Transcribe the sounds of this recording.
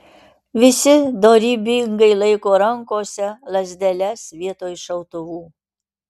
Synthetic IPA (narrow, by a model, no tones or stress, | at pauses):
ʋʲɪsʲɪd̪oːɾʲiːbʲɪŋɡɐɪlˠɐɪkoːɾɐŋkoːsʲɛlˠɐzʲd̪ʲɛlʲɛsʋʲiɛt̪oːjʃɐʊt̪ʊʋuː